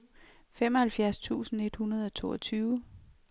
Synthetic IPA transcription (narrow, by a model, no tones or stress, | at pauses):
femɒhælfjæɐst͡sʰṵːsn̩e̝d̥hunɐð̞ˠɒ̽t͡sʰo̝̰ːɒt͡sʰyːʊ